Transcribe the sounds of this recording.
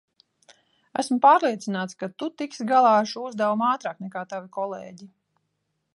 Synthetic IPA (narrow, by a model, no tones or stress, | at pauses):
æ̰smupaːɾlˠiɛt̪sinaːt̪skat̪ut̪iksɡalˠɑːɾʃuuzd̪ɛwumaːt̪ɾaːknɛkaːt̪avikɔlˠḛːɟi